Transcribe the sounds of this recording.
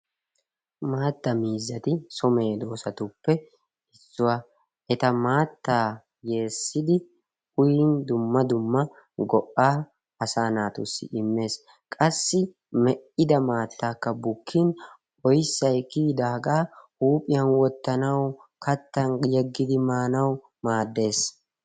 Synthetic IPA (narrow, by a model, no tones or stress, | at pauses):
maːt̪ːɐmiːzːɐt̪ɪsɔme̞ːd̪oːsɐt̪ʊpːɛ | ɪsːʊwa | ʔɛt̪ɐmaːt̪ːaː | je̞ːsːɪd̪ɪ | hʊjind̪ʊmːɐd̪ʊmːɐ | ɡɔʔːaː | ɐsaːnaːt̪ʊ̰sːɪ̰ʔɪmːe̞ːs | kʼɐsːɪ | mɛʔɪd̪ɐmaːt̪ːaːkːɐbʊkʰːin | ɔjsːɐjkiːd̪aːɡaːhuːpʼɪjɐnwɔt̪ːɐnɐwkɐt̪ːɐnjɛɡːɪd̪ɪmaːnɐw | maːd̪ːe̞ːs